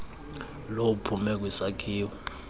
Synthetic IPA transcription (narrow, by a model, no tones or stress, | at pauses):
lowupʰumɛk̬wisakʰiːwɔ